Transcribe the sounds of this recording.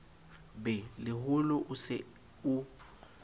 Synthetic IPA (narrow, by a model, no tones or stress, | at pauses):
bɛlɪhʊlʊʔʊsɪ | ʊ